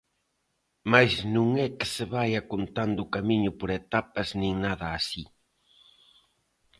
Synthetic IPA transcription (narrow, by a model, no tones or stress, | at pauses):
majznũŋɛkɪ̥sɪβajakont̪and̪ʊːkamiɲʊpoɾet̪apɐznĩŋnaðɐːsi